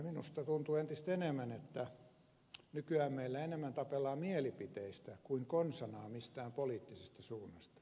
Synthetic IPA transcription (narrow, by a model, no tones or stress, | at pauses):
minṵst̪ɑt̪unt̪uent̪ist̪enemːænet̪ːæ | nykyæːmmeilːæenemːænt̪ɑpelːˑɑːmielipit̪eist̪ækuiŋkonsɑnɑːmist̪æːmpoliːt̪ːisest̪ɑsuːnːɑst̪ɑ̥